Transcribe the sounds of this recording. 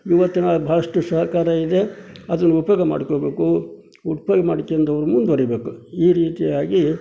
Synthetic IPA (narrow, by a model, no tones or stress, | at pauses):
iʋɐt̪ːinɐbʱaːɭɐʂʈusɐɦɐkaːɾɐid̪e̞ɐd̪ɐnːuupjoːɡɐma̰ːɽikoːbe̞ːku | uppjoːɡɐmaːɽikːeɐnd̪ɐʋɐɾumund̪uɐɾibe̞ːkuiːɾiːt̪ijaːɡi